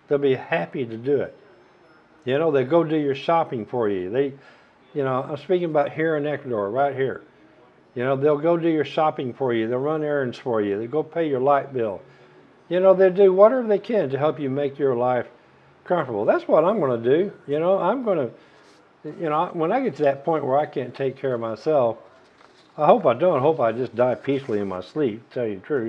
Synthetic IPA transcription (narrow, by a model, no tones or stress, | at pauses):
ðeɪlˠbihæpiɾɨdɨɪ̰t̚ | jɨnoʊðeɪlˠɡoʊdɨjə˞ʃɑpɪ̃ŋfə˞jʉ̰ðeɪ | jɨnoʊã̰ɪ̃mspikɪ̃ŋəbaʊt̚hiɹɨ̃nɛkwədɔɹɹaɪt̚hiɹ | jɨnoʊðeɪlˠɡoʊdɨjə˞ʃɑpɪ̃ŋfə˞jɨðeɪlˠɹʌ̃nɛ̃˞nz̥fə˞jɨðeɪlˠɡoʊpʰeɪjə˞laɪt̚b̥ɪ̰lˠ | jɨnoʊðeɪlˠdɨwʌɾɛvə˞ðeɪkʰɨ̃ntɨɦɛlˠpjɨmeɪkjə˞laɪf | kʰʌ̃ɱftə˞bl̩ˠðætswʌɾãɪ̃mɡʌnɨdɨjɨnoʊʔãɪ̃mɡʌnɨ | jɨnoʊawə̃ñaɪɡɛtʰɨðɨt̚pʰɔ̃ɪ̃nʔwə˞aɪkʰæ̃ntʰeɪkʰːɛɹʌvmaɪsɛlˠf | aɪɦoʊpaɪdõʊ̃ntɦoʊpaɪd͡ʒʌsd̥aɪpʰisl̩ˠiɨ̃nma̰ɪslip̚tʰɛlˠjɨtʰɹ̥ʉ